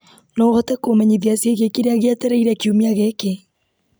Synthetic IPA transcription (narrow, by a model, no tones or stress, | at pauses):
nɔɣɔtɛkomɛɲiðiasjeɣekiɾeaɣeatɛɾɛiɾɛkiumiaɣeke